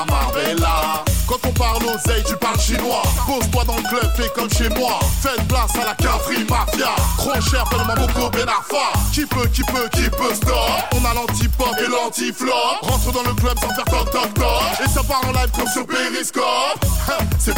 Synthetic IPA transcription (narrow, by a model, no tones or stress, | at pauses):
maʁelakɑ̃t̪ɔ̃paʁlozɛjt̪ypaʁlʃenwabozbwad̪ɑ̃ləklœb̚pɛkɔmʃemwafɛt̪plasalakafχimaʁfjat̪χɔʃɛʁpɛd̪ɔ̃mapɔklɔbelafwakʲipøkʲipøkʲipøst̪ɔɔ̃nalɑ̃t̪ipɔpelɑ̃t̪iflɔʁɑ̃t̪χəd̪ɑ̃ləklœbsɑ̃fɛʁt̪ɔt̪ɔtɔesapaʁɑ̃lavkɔmsyʁpeʁiskɔpsɛ